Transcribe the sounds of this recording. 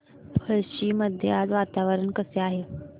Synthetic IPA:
pʰəɭɕiːməd̪ʱjead͡zʋat̪aʋəɾəɳkəseaɦe

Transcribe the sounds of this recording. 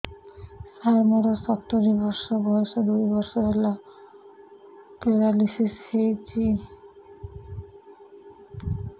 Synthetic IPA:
sajmɔɾasɔpt̪oɾibɔɾʃobɔeʃod̪ujbɔɾʃoɦela | peɾalisishejt͡ɕi

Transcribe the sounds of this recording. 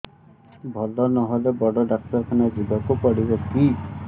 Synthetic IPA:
bʱɔlɔnɔɦɔlebɔɽɔɖak̚tɔɾkʰanɔd͡ʒibɔkupɔɽibɔki

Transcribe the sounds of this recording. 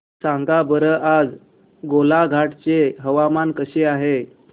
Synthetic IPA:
sãŋɡabəɾəʔad͡z | ɡolaɡʱaʈt͡seɦəʋamankəɕeaɦe

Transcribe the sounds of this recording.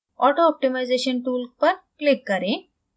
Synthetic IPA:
ɔʈoɔp̚ʈimajd͡zeɕənʈuːlk̚pəɾklikːəɾẽ

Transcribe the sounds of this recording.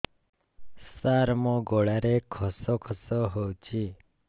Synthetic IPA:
saɾmõɡoɭaɾekʰɔsɔkʰɔsɔɦowt͡ʃʰi

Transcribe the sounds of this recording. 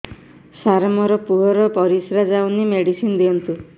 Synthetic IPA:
saɾmɔɾɔpuɦɔɾɔpɔɾisɾad͡ʒawnimeɽisinɔd̪iɔnt̪u

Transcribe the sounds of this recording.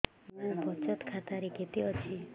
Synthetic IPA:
mmabʱɔt͡ʃɔt̪kʰat̪aɾeɡʱet̪iɔt͡ʃʰi

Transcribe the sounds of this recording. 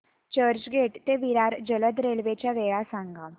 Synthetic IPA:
t͡ʃəɾd͡ʒɡeːʈt̪eʋiɾaːɾd͡ʒələd̪ɾeːlʋet͡ɕaʋejasãːŋɡaː

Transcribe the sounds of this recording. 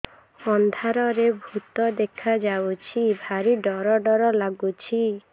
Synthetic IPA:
ɔnd̪ʱaɾɔɾebʱut̪ɔd̪ekʰad͡ʒawt͡ʃʰibʱaɾiɖɔɾɔɖɔɾɔlaɡut͡ʃʰi

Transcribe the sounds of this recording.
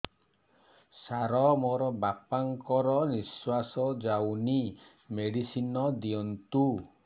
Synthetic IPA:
saɾɔmoɾɔbapaŋkɔɾɔniswasɔd͡ʒawni | meɽisinɔd̪iɔnt̪u

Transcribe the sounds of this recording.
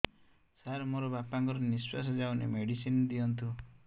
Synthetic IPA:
saɾmoɾɔbapaŋkɔɾɔnispas̬ɔd͡ʒawnḛmeɽisind̪iɔnt̪ʰu

